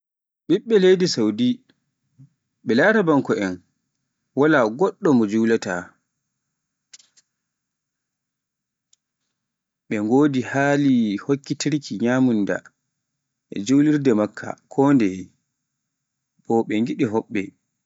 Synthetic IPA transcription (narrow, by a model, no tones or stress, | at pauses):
ɓiɓːɛlejdisawdi | ɓɛlaɾabaŋkɔɛn | walaɡɔɗːɔmɔd͡ʒuwlata | ɓɛŋɡoːdihaːlihokːitiɾkiɲamunda̰ | ɛ̰d͡ʒuwliɾdɛmakʰːa̰kʰɔːndɛ | bɔɓɛŋɡiɗiɦɔɓːɛ̰